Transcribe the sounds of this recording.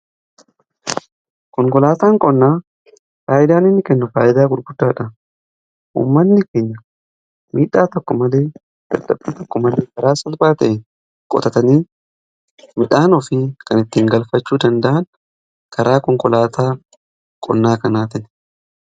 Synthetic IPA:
kɔŋkɔlaːt̪aːŋkʼɔnːaː | faːʔɪd̪aːnɪnːɪkɛnːʊfaːʔɪd̪aːɡʊɾɡʊd̪ːaːᶑɐ | ʔṵːmːɐnːɪkeːɲːɐ | miːᶑaːt̪ɔkːɔmɐleː | d̪̥ɐ̰d̪ɐbːiːt̪ɔkːɔmɐleːkɐɾaːsɐlbaːt̪ɐʔɛn | kʼɔ̰t̪ɐt̪ɐniːn | mɪᶑaːnɔfɪkɐnɪt̪ːiːŋɡɐlfɐt͡ʃːuːd̪ɐnd̪ɐʔɐn | kʰɐɾʔaːkɔŋkɔlaːt̪ʰaː | kʼɔ̰nːaːkɐnaːt̪ɪn

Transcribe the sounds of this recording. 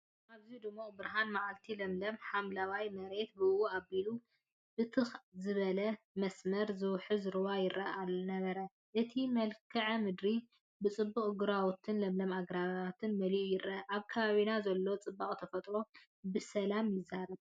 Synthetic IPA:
ʔaβziud̪ɨmːobɨɾɦanmaʕalt̪ʰilɐmlɐmħamlawajmɐɾe̞t̪̚bɨɨwuabilu | b̥ɨt̪ʰɨxzɨβɐlɐ | mɐsmɐɾzɨwħɨzɨɾɨwajɪraalːnɐβɐɾɐ | ʔɨt̪ʰimɐlkʰɐʕɐmɨd̪ɾi | bɨt͡sʼɨbːuχʼɡɨɾawt̪ʰɨnlɐmlɐmaɡɾaβaat̪ʰɨnmɐliʔujɪɾːɐʔaβkʰaβaβinazɐlːo̞t͡sʼɨbːakʼt̪ʰɐfɐt̪ʼɾo̞ | bɨsɐlamjɪzːaɾɐb̚

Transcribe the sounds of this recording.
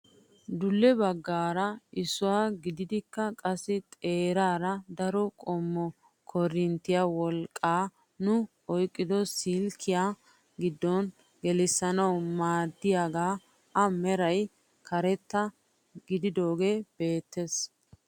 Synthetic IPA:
d̪ʊlːɛbɐɡːaːɾɐɪsʊwaːɡɪd̪ɪd̪ɪkːɐkʼɐsːɪt̪ʼe̞ːɾaːɾɐd̪ɐɾɔkʼɔmːɔ | kʰɔɾɪnt̪ːɪjawɔlkʼːaː | nʊ | ɔjkʼːɪd̪ɔsɪlkʰːɪjaː | ɡɪd̪ːɔn | ɡɛlɪsːɐnɐwmaːd̪ːɪjaɡaː | ʔɐmɛɾɐj | kʰɐɾɛt̪ːɐ | ɡɪd̪ɪd̪o̞ːɡe̞ːb̥e̞ːt̪ːes

